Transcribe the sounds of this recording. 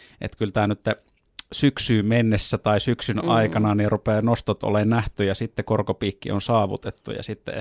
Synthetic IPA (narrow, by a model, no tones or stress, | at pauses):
ʔḛt̪kylt̪æːnyt̪ːe | syksyːmenːesːæt̪ɑisyksynɑikɑnɑnirupeːnost̪ot̪ʔo̰leːnnæht̪yjɑsit̪ːekorkopiːkːḭo̰nsɑːʋṵt̪et̪ːṵjɑ̰sit̪ːḛ